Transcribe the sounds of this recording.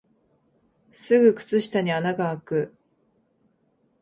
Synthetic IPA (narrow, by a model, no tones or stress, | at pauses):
sɨɡɯ̟kɯ̟̥t͡sɨɕi̥t̪aɲ̟ianaɡaːkɯ̟